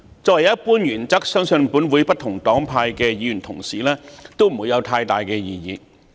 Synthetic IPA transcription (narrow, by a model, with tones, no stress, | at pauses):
t͡sɔː˧wɐ˨˩jɐ˥t̚puː˥njyː˨˩nt͡sɐ˥k̚sœː˥ŋsɵ˧npuː˨˥nwuː˨˧jpɐ˥t̚t̪ʰʊ˨˩ŋt̪ɔː˨˥ŋpʰaː˧jkɛː˧jiː˨˧˥jy˨˩nt̪ʰʊ˨˩ŋsḭː˨˩lɛː˥t̪o˥wm̩˨˩wuː˨˧jɐ˨˧wt̪ʰaː˧jt̪aː˨jkɛː˧jiː˨˧jiː˨˧